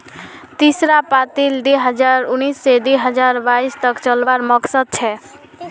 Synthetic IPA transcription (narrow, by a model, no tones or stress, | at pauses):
t̪isɾapat̪ild̪eɦʌd͡ʒaɾunisːed̪eɦəd͡ʒaɾbaist̪ʌkt͡ʃʌlbaɾmʌksəd̪̚t͡ʃʰɛ